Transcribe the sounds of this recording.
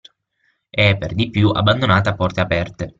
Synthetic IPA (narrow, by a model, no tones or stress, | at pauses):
eɛpːerd̪ipːjuʔa̰bːand̪onaːt̪aːpːɔrt̪eapɛrt̪e